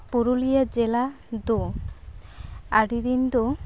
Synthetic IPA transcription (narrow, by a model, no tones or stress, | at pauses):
puɾulijad͡ʑela | d̪o | aɖid̪ind̪o